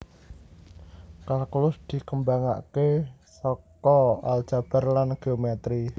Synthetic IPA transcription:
kalkulʊsd̪̥i̤kəmbaŋa̰ʔkesɔkɔald̥ʒ̥a̤b̥a̤rlanɡ̥eomɛt̪ɾi

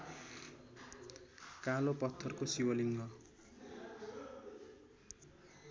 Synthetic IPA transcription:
kalopʌt̪ʰːʌrkosiwʌliŋɡʌ

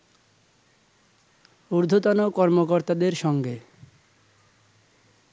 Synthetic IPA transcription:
uɾd̪ʱot̪onokɔɾmokoɾt̪ad̪eɾʃɔŋɡe

